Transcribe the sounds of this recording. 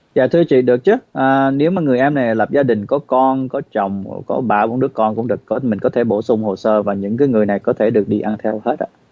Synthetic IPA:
zaː˨˩t̪ʰɨ˧ət͡ɕḭ˧˨ɗɨ˨˩ək̚t͡ɕɨ˨˦ʔaː˨˩ne˨˦wmaː˨˩ŋɨ˨˩əjʔɛ˧mna˨˩jlə˨˩p̚zaː˧ɗï˨˩ŋ̟kɔ˨˦kɔ˧nkɔ˨˦t͡ɕə˨˩wŋ͡mkɔ˨˦ɓaː˧˩wɔ˧nɗɨ˦˥əkːɔ˧nkʊ̰˧˥ŋ͡mɗɨ˨˩əkkɔ˨˦mï˨˩ŋ̟kɔ˨˦t̪ʰe˧˩ɓo˧˩sʊ˧ŋ͡mho˨˩səː˧vaː˨˩ɲɨ̰˧˥ŋkaː˨˦jŋɨ˨˩əjna˨˩jkɔ˨˦t̪ʰe˧˩ɗɨ˨˩ək̚ɗi˧ʔa˧nt̪ʰɛ˧whe˦˥t̚ʔa̰ː˧˩

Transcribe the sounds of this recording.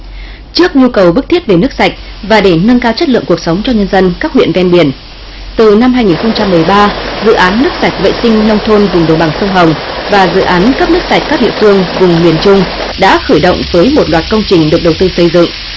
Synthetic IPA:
t͡ɕɨ˦˥ək̚ɲu˧kə˨˩wɓɨ˦˥k̚t̪ʰi˥ət̚ve˨˩nɨ˦˥ək̚sa˨˩jk̟̚ | vaː˨˩ɗe˧˩nə˧nkaː˧wt͡ɕə˦˥t̚lɨ̰˧˨əŋku˨˩ək̚sə˨˦wŋ͡mt͡ɕɔ˧ɲə˧nzə˧nkaː˦˥k̚hwḭ˧˨ənvɛ˧nɓi˧˩ən | t̪ɨ˨˩na˧mhɦaː˧jŋi˨˩nxə˧wŋ͡mt͡ɕa˧mːɨ˨˩əjɓaː˧zɨ̰˧˨ʔaː˨˦nːɨ˦˥k̚sa˨˩jk̟̚ɓə̰˧˨jsï˧ŋ̟lə˧wŋ͡mt̪ʰo˧nvʊ˨˩ŋ͡mɗə˨˩wɓa˨˩ŋsə˧wŋ͡mɦə˨˩wŋ͡mvaː˨˩zɨ̰˧˨ʔaː˨˦nkə˦˥p̚nɨ˦˥ək̚sa˨˩jk̟̚kaː˦˥k̚ɗḭ˧˨fɨ˧əŋvʊ˨˩ŋ͡mŋwi˧˩ənt͡ɕʊ˧ŋ͡m | ɗa̰ː˧˥xəː˧˩jɗo̰˧˨wŋ͡mvəː˨˦jmo˨˩t̚lwaː˨˩t̚kə˧wŋ͡mt͡ɕï˨˩ŋ̟ɗɨ˨˩ək̚ɗə˨˩wt̪ɨ˧sə˧jzɨ̰˧˨ŋʔ

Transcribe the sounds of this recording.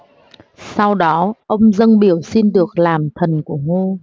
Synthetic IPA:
sa˧wɗɔ˨˦ʔə˧wŋ͡mzə˧ŋɓi˧˩əwsi˧nɗɨ˨˩ək̚laː˨˩mt̪ʰə˨˩nku˧˩əŋo˧

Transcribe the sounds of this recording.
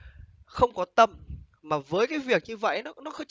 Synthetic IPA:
xə˧wŋ͡mkɔ˨˦t̪ə˧˩m | maː˨˩vəː˨˦jkaː˨˦jvi˨˩ək̚ɲɨ˧və̰˧˨jnɔ˨˦nɔ˨˦xə˧wŋ͡m

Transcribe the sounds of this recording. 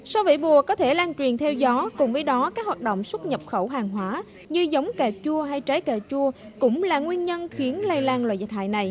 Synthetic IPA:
sa˧wvḭ˧˥ɓu˨˩əkɔ˨˦t̪ʰe˧˩laː˧ŋt͡ɕwi˨˩ənt̪ʰɛ˧wzɔ˨˦kʊ˨˩ŋ͡mvəː˨˦jɗɔ˨˦kaː˦˥k̚waː˨˩ɗo̰˧˨wŋ͡mswə˦˥t̚ɲə˨˩p̚xə˧˩wɦaː˨˩ŋɦwaː˨˦ | ɲɨ˧zə˨˦wŋ͡mkaː˨˩wt͡ɕu˧əɦa˧jt͡ɕaː˨˦jkaː˨˩wt͡ɕu˧əkʊ̰˧˥ŋ͡mlaː˨˩ŋwi˧ənɲə˧nxi˨˦ənla˧jlaː˧nlwa̰ː˧˨jzə˨˩t̚ɦa̰ː˧˨jna˨˩j

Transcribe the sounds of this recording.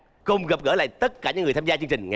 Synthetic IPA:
kʊ˧wŋ͡mɣə˨˩p̚ɣəː˧˥˩la̰ː˧˨jt̪ə˦˥t̚kaː˧˩ɲɨ̰˧˥ŋɨ˨˩t̪ʰaː˧mzaː˧t͡ɕɨ˧ŋt͡ɕï˨˩ŋ̟ŋa

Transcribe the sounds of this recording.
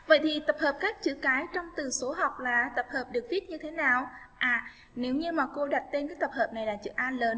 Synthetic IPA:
və̰˧˨jt̪ʰi˨˩t̪ə˨˩p̚həː˨˩p̚kaː˦˥k̚t͡ɕɨ̰˧˥kaː˨˦jt͡ɕɔ˧wŋ͡mt̪ɨ˨˩so˨˦ɦɔ˨˩wk͡p̚laː˨˩t̪ə˨˩p̚həː˨˩p̚ɗɨ˨˩ək̚vi˦˥ət̚ɲɨ˧t̪ʰe˨˦naː˨˩w | ʔaː˨˩ | ne˨˦wɲɨ˧maː˨˩ko˧ɗa˨˩t̚t̪e˧nkaː˨˦jt̪ə˨˩p̚həː˨˩p̚na˨˩jlaː˨˩˥t͡ɕɨ̰˧˥ʔaː˧nləː˨˦n

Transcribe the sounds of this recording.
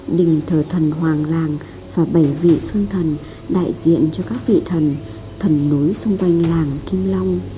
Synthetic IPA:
ɗï˨˩ŋ̟t̪ʰəː˧˩t̪ʰə˨˩nɦwaː˨˩ŋlaː˨˩ŋ | vaː˨˩ɓə˧˩jvḭ˧˨sɨ˧ŋt̪ʰə˨˩n | ɗa̰ː˧˨jzḭ˧˨ənt͡ɕɔ˧kaː˦˥k̚vḭ˧˨t̪ʰə˨˩n | t̪ʰə˨˩nːo˨˦jsʊ˧ŋ͡mkwa˧jŋ̟laː˨˩ŋki˧ŋla˧wŋ͡m

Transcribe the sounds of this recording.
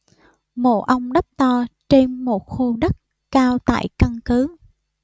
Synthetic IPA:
mo̰˧˨˩ʔə˧wŋ͡mɗə˦˥p̚t̪ɔ˧t͡ɕe˧nmo˨˩t̚xu˧ɗə˦˥t̚ | kaː˧wt̪a̰ː˧˨jka˧ŋkɨ˨˦

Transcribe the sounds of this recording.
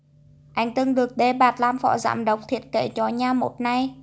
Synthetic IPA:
ʔa˧˩jŋ̟t̪ɨ˧ŋɗɨ˨˩ək̚ɗe˧˩ɓaː˨˩t̚laː˧mfɔ̰˧˥za̰ː˧˩mɗə˨˦wk͡p̚t̪ʰi˨˩ət̚kḛ˧˨t͡ɕɔ˨˧˦ɲaː˧mo̰˨˩t̚na˧j

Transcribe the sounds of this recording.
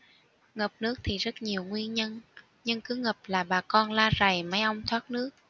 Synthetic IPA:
ŋə˨˩p̚nɨ˦˥ək̚t̪ʰi˨˩zə˦˥t̚ɲi˨˩əwŋwi˧ənɲə˧n | ɲɨ˧ŋkɨ˨˦ŋə˨˩p̚laː˨˩ɓaː˨˩kɔ˧nlaː˧za˨˩jma˨˦jʔə˧wŋ͡mt̪ʰwaː˦˥t̚nɨ˦˥ək̚

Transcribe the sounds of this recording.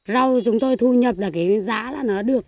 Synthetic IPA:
za˧wt͡ɕʊ˨˦ŋ͡mt̪o˧jt̪ʰu˧ɲə˨˩p̚laː˨˩ka˨˦jzaː˨˦laː˨˩nɔː˨˦ɗɨ˨˩ək̚

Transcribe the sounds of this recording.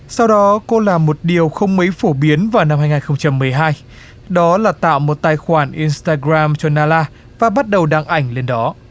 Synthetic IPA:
sa˧wɗɔ˨˦ko˧laː˨˩mo˨˩t̚ɗi˨˩əwxə˧wŋ͡mmə˨˦jfo˧˩ɓi˨˦ənvaː˨˩wna˧mhaː˧jŋaː˨˩nxə˧wŋ͡mt͡ɕa˧mːɨ˨˩əjɦaː˧j | ɗɔ˨˦laː˨˩t̪a̰ː˧˨wmo˨˩t̚t̪aː˨˩jxwaː˧˩nʔi˧nst̪aː˧ɣɾaː˧mt͡ɕɔ˧naː˧laː˧ | vaː˨˩ɓa˦˥t̚ɗə˨˩wɗaː˧ŋʔa˧˩jŋ̟le˧nɗɔ˨˦

